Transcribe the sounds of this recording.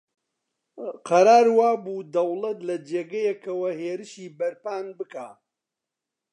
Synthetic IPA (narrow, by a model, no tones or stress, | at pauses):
qʰɐɾaːɾwaːbuːd̪ɐwlˠɐt̪lɐd͡ʒeːɡɐjɛkɐwɐheːɾɨʃiːbɐɾpaːnbɨkaː